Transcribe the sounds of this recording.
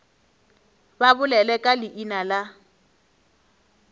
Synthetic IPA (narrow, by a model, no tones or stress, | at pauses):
babʊlɛlɛkʼalɪʔinala